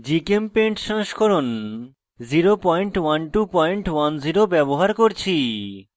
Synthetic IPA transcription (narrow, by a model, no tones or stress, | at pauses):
d͡ʑikempeɳʈʃãŋʃkʰoɾon | ziɾopɔjɳʈwanʈupɔjɳʈwanziɾobɛboɦaɾkoɾt͡ɕʰi